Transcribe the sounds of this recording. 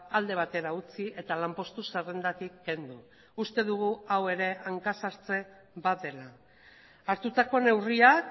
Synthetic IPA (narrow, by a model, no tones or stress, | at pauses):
ald̪e̞β̞at̪e̞ɾaut͡siʔe̞t̪alampo̞st̪usere̞nd̪at̪ikːe̞nd̪u | ust̪e̞ðuɣ̞uawe̞ɾe̞aŋkasaɾt͡se̞ | βaðe̞laː | ɾt̪ut̪ako̞ne̞wriak